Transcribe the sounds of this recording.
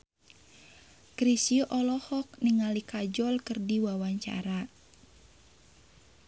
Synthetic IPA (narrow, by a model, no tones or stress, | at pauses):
kɾisiʔɔlɔhɔk̚niŋalikad͡ʒɔlkɨrdiwawaɲt͡ʃa̰ɾa